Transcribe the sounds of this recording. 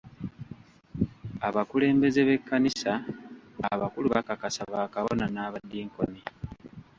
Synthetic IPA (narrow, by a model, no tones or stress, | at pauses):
aβakule̞ːmbe̞ze̞βe̞kːanisaː | βakuluβakakasaβaːkaβonanaːβadːiːŋko̞̰ni